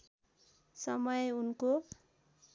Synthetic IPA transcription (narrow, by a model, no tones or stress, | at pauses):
sʌmʌjunko